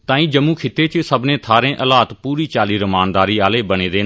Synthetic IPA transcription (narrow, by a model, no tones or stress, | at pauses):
t̪ãːĩːd͡ʒəmũːkʰɪt̪ːeːt͡ʃsəbnẽːt̪ʰaːɾẽːʔəlaːt̪puːɾiːt͡ʃaːliːɾəmaːnd̪aːɾiːaːleːbəneːd̪eː